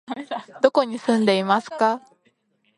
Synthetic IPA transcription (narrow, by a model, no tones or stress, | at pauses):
d̪̥o̞ko̞ɲ̟isɨ̃nd̪e̞imasɨ̥ka